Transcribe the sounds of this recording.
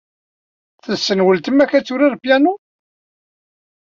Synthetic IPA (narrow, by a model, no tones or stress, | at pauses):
θəðsːənwəlt̪əmækːæt͡sːuɾiɾpjænu